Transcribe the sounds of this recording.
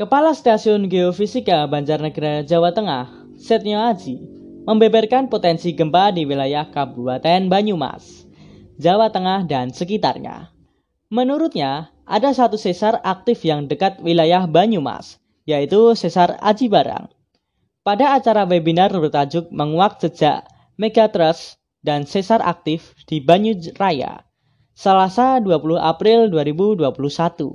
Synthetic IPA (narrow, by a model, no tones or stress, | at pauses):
kəpalast̪asiʊnɡeɔfisikabaɲd͡ʒarnəɡəɾad͡ʒawat̪əŋah | sɛt̪̚nioad͡ʒi | məmbɛbɛrkanpot̪ɛnsiɡəmpadiwilajahkabubat̪ɛnbaɲuma̰s | d͡ʒawat̪əŋahdansəkit̪a̰rɲa̰ | mənuɾʊt̪̚ɲa | ʔa̰dasat̪usesarak̚t̪ɪfjaŋdəkat̪̚wilajahbaɲuma̰s | jait̪usesara̰d͡ʒibaɾa̰ŋ | padaːt͡ʃaɾawebinarbərt̪ad͡ʒʊk̚məŋuwak̚səd͡ʒa̰ʔ | meɡat̪ɾəs | dansesarʔa̰k̚t̪ɪf | d̥ibaɲuraja̰ | səlasaduapuluha̰pɾɪlduaɾibuduapuluhsat̪ṵ